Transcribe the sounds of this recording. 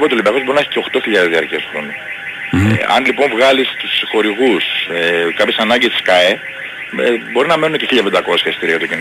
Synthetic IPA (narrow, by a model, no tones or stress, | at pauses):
pt̪olibɐxo̞zbo̞ɾinɐeçi̥ce̞oxt̪o̞çiʎɐðezðiɐɾciɐsonṵ | ɐ̰nlipo̞ɱvɣɐlist̪usxo̞ɾiɣusekɐpçesɐnɐɲɟist̪i̥skɐe | ebo̞ɾinɐmenunece̞çiʎːɐped̪ɐko̞sçɐest̪iɾiɐt̪ocin